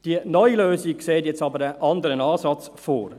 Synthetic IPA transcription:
d̥iənɔjløːsik̚kseːtjɛt͡sɑbəɾəʔɑndəɾənɑːsɑt͡s | fo̰ːɾ

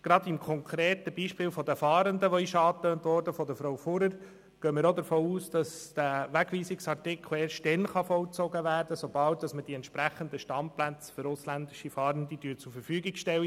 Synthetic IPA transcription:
ɡ̥ɾɑdɪmkʰɔŋkʰɾeːt̪əbiːʃpɪːlfɔdəfɑːɾəndəʋɔɪʃɑːt̪øːntʋɔɾd̥əfɔdəfɾowfʊɾəɾ | ɡ̥œːmɪɾod̪əɾfoːuːsd̥ɑsd̪̥æʋæɡʋiːsɪksɑrtɪkʰl̩eːʃtɛnχɑfɔwt͡sɔɡəʋæːɾd̥əsob̥ɑlt̚d̥ɑsməd̥iɛnt̪ʃpɾæχənd̪əʃtɑmplæt͡sfʏɾʊslændɪʃifɑːɾəndid̥yːt͡suɾfəɾfyːɡɪɡʃtɛw

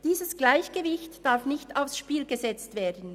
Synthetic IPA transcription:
d̥iːzəsɡ̥laɪçɡ̥əvɪçtd̥aɾfnɪçtaʊfsʃpiːlɡəzɛt͡stv̥eːɐdn̩

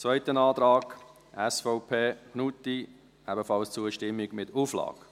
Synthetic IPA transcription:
t͡svœɪtənɑːd̪ɾɑːɡ̥ | ʔɛsfɔʊpʰeːnuti | ɛbəfɑlst͡suəʃtɪmːɪɡmɪtuflɑ̰ːk

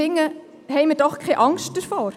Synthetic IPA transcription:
ɪŋːə | ɦɛɪmədɔχkʰɛʔɑŋst̚d̥əɾfoːɾ

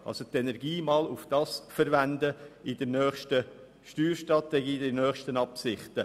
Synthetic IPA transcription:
ɑ̰lsot̪ɛnɛɾɡiːmɑlʊfd̥ɑːsfəɾʋændəɪd̥ənœːχʃtə | ʃtyːɾʃtɾɑtɛɡiːdənœːχʃtənɑpsɪχt̪ə

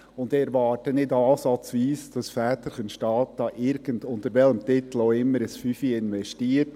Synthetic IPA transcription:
ʊndɛɾʋɑːɾtənɪdɑːsɑt͡sʋiːsd̥ɑsfæːt̪əɾχənʃtɑːt̚d̥ɑːʔɪɾɡ̥əndʊntəɾʋɛləmt̪ɪt̪l̩oːɪmːəɾəsfyfiɪnʋɛʃtiːət

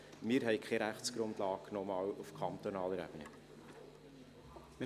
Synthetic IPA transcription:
mɪːəɾɦɛɪkʰχɛɾæχtt͡sɡ̥ɾʊndlɑːknɔmɑːwufkʰɑnt̪ɔnɑːləɾɛ̰b̥ənə | m

